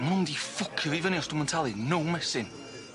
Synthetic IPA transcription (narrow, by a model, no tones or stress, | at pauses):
mʊndifʊkʰəvivəniɔstumɛntʰalˠinʊwmɛsɪn